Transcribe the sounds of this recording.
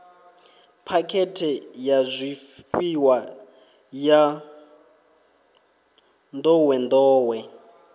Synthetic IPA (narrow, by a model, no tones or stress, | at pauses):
pʰakʰɛtʰɛjazʷifiwa | ja | nd̪ɔwɛnd̪ɔːwɛ